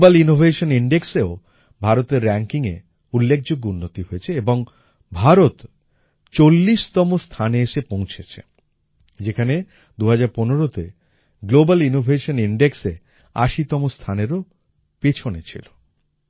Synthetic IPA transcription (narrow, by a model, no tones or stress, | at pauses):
balinobʱeʃoniɳɖekseo | bʱaɾot̪eɾːɛŋkiŋḛ | ulːek̚ʰd͡ʑoɡːunːot̪iɦoet͡ɕʰeeboŋ | bʱaɾot̪ | t͡ɕolːiʃt̪ɔmost̪ʰaneeʃepõw̃t͡ɕʰet͡ɕʰḛ | d͡ʑekʰane | d̪uɦad͡ʑaɾponeɾot̪e | ɡlobalinobʱeʃoniɳɖeksḛ | a̰ʃit̪ɔmost̪ʰaneɾo | pit͡ɕʰonet͡ɕʰḭlo